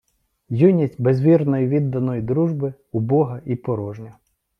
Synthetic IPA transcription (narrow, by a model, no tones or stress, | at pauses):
junʲistʲbezʋʲirnɔjiʋʲid̪ːɐnɔjid̪ɾuʒbɪ | ʊbɔɦɐʔipɔɾɔʒnʲɐ